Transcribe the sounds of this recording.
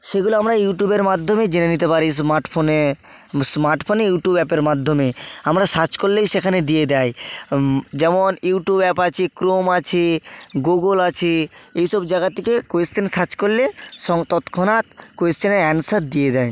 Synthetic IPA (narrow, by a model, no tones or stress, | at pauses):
ʃeɡuloamɾajuʈjubeɾmad̪ʱːomed͡ʑenenit̪̬epaɾismaɾʈfʰone | smaɾʈfʰonejuʈjubɛpeɾmad̪ʱːomeamɾaʃat͡ɕkolːejʃekʰaned̪ijed̪aj | d͡ʑɛmonjuʈubɛpat͡ɕʰekɾomat͡ɕʰeɡoɡolat͡ɕʰeejʃɔbd͡ʑaɡat̪ʰːekekoesʈensat͡ɕkolleʃɔŋt̪ɔt̪kʰɔnat̪koest͡ɕeneɛnsat̪̚d̪ied̪aj